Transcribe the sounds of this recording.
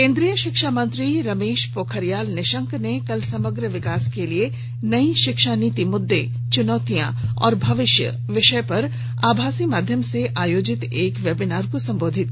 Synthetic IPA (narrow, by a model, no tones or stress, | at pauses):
kẽːnd̪ɾijəʃɪkʃaːmə̃nt̪ɾiɾɐmeːʃpoːkʰəɾjaːlnɪʃə̃ŋknekɐlsɐməɡɾəʋɪkaːskelie | nɐiʃɪkʃaniːt̪imʊd̪ːe | t͡ʃʊnɔːt̪ijã̰ɔ̰ːɾbʱɐʋɪʃjə̰ | ʋɪʃəpɐɾ | a̰ːbʱaːsimaːd̪ʱjəmseʔaːjoːd͡ʒɪt̪eːkʋjɛbɪnaːɾkosɐ̃mboːd̪ʱɪt̪̚